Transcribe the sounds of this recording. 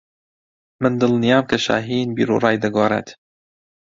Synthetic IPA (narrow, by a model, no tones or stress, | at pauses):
mɨnd̪ɨlnijaːmkɐʃa̰ːɦinbḭːɾṵːrˤɑːjd̪ɐɡoːɾˤḛt̪